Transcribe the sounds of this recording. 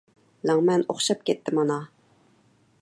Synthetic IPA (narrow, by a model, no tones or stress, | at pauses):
lɑŋmɛno̰χʃɑp̚kʲɛt̪ʰːɪmɑnɑ